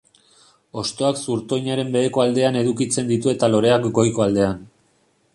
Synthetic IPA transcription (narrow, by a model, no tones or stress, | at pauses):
o̞st̪o̞aksuɾt̪o̞jɲaɾe̞mbe̞ðeko̞ald̪e̞ane̞ðukit͡se̞nd̪it̪ue̞t̪alo̞ɾe̞akɡo̞jko̞ald̪e̞an